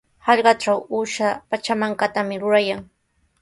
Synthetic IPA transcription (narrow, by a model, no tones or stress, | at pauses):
hɑʎɢɑʈ͡ʂawuʃapat͡ʃamaŋkat̪amɪɾʊɾajaŋ